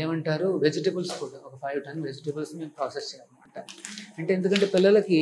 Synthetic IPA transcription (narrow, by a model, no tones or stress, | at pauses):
eːmɐɳʈaːɾuʋed͡ʒiʈɐbɐlskuːɽaːɔkɐpʰɐjʋʈɐnːʋed͡ʒiʈɐbɐlsnime̞ːmpɾaːsest͡ʃɛːɐmɐɳʈaːɾuɐɳʈeend̪ukɐɳʈe̞ːpilːɐlɐki